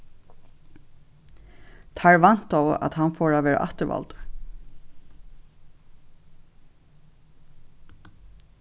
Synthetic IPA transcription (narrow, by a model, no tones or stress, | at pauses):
t̪ʰaɹʋan̥t̪a̰a̰ðhanfɔːɹaʋɛːɾa̰ʔaht̪əɾva̰lt̪ḁ